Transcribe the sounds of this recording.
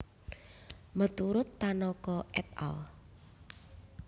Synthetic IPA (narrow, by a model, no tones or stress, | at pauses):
mət̪uɾʊt̪ːanɔkɔʔɛt̪a̰l